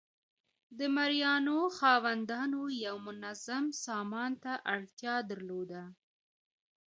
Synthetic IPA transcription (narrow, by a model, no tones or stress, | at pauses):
d̪əmaɾijɑnoxɑwand̪ɑnojawmʊnazamsɑmɑnt̪aʔaɽt̪jɑd̪əɾlod̪a